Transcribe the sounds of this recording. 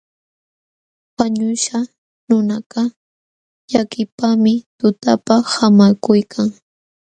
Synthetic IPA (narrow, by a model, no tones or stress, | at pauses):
waɲʊʃa | nʊnaqɑ | ʎakɪpamɪt̪ʊt̪apahamakʊjkʰaŋ